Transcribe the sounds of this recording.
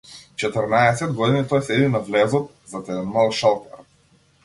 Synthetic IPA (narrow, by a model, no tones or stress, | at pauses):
t͡ʃɛt̪əɾnaɛsɛd̪ɡɔd̪init̪ɔjsɛd̪inavlɛzɔt̪̚ | zat̪ɛd̪ɛnmalˠʃalˠk̪aɾ